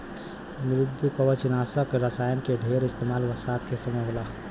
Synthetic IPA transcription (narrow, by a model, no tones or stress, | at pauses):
mɾɪd̪ʱːukəʋət͡ʃinaːsəkɾəsaːjənked̪ʱeɾɪst̪eːmaːlʋəɾsaːd̪kesəməɦola